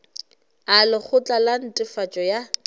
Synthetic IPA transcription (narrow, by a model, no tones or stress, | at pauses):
alɪχʊt͡ɬʼalan̩tʼɪfat͡ʃʼɔja